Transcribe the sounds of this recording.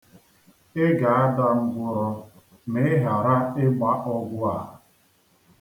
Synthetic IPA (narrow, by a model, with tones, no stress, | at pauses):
ɪ˦ɡa˨a˦da˦ŋ͡m̩˦ɡʷʊ˨ɾɔ˨ | me˦ɦa˨ɾa˦ɪ˦ɡ͡ba˦ʔɔ˦ɡʷʊ˦a˨ɦʊ˨